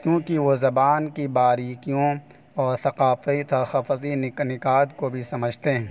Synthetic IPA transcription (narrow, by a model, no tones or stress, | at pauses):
kjõːkiʋozɐbaːnkibaːɾiːkijõ | ɔːɾt̪ɐqaːfit̪ʰɐxɐfzinnɪkaːd̪kobʱisɐməd͡ʒʱt̪eɦɛ̃ː